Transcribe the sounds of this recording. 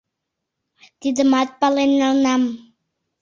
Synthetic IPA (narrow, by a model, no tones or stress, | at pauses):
t̪id̪əmat̪̚palenːalnam